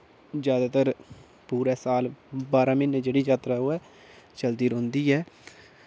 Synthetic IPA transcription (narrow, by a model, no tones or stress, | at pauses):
d͡ʒjaːd̪aːt̪əɾ | puːɾɛːsaːlbaːɾãːmɪnd͡ʒeːɽiːd͡ʒaːt̪ɾaɦoːɛː | t͡ʃəld̪iːɾõʊ̃ːnd̪iːɛː